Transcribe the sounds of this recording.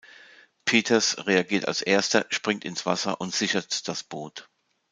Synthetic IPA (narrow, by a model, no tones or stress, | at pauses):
pʰeːtʰɐsʁeaɡiːɐta̰lsʔeːɐstɐʃpʁ̥ɪŋtɪnsv̥a̰sɐ̰ʔʊntz̥ɪçɐtd̥asb̥oːt